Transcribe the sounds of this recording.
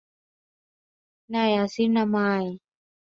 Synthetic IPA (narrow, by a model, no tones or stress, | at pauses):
najasinamaj